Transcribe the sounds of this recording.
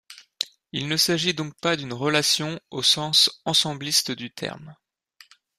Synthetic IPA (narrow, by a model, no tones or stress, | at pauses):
ilnəsaʒid̪ɔ̃k̚pad̪ynʁəlasjɔ̃osɑ̃sɑ̃sɑ̃blist̪d̪yt̪ʰɛ̰ʁm